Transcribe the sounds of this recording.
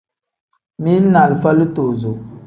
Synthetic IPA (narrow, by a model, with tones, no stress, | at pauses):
mi˦lna˨lfa˦lɨ˦to˨zo˨